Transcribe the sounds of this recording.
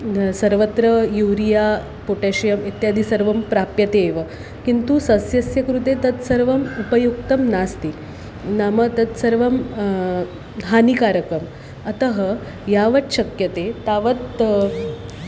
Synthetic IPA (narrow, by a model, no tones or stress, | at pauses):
sɐɾʋət̪ɾəjuʋɾija | poʈeɕɐjɐmet̪jad̪isəɾʋɐmpɾapjɐt̪eːʋə | kint̪usɐsjɐsjɐkɾut̪et̪ɐt̪sɐɾʋɐmupəjuk̚t̪ɐmnast̪ik | namət̪ɐt̪sɐɾʋɐm | ɦanikaɾəkəm | ɐt̪əɦə | jaʋɐt̪ɕɐkjɐt̪et̪aʋət̪